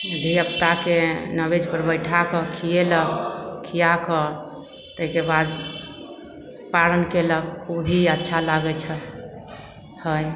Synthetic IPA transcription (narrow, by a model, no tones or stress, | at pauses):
d̪ʱiəpt̪akenəbed͡ʒpəɾbəjʈʰakəkʰijeləkʰijakə | t̪əɦikebad̪ | paɾənkeləkkʰubʱiətːʃʰalaɡɛt͡ʃʰə | həj